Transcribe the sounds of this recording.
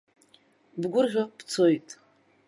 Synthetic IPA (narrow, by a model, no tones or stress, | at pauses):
bɡʷʊrʁʲapʰt͡sʰojtʼ